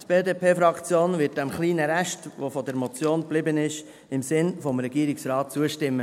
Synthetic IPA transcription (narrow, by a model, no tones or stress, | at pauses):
tb̥eːdeːpʰeːfɾɑkt͡sjoːnvɪt̚d̥ɛmχliːnəɾæʃtʋofɔdɛɾmɔt͡sjoːnb̥lɪbənɪʃ | ɪmsɪnfɔmɾɛɡ̥iːɾɪksɾɑːt̚t͡suəʃtɪmːə